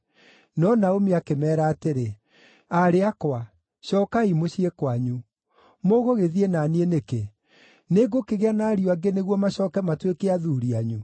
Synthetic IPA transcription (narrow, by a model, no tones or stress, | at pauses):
nɔnaomeakemɛːɾaːteɾe | aɾeakwa | ɕɔkaimoɕiekwaɲu | moɣoɣeðienanieneke | neɡokeɣeanaːɾioaɡeneɣwɔmaɕɔːkɛmatwekeaðuɾiaɲu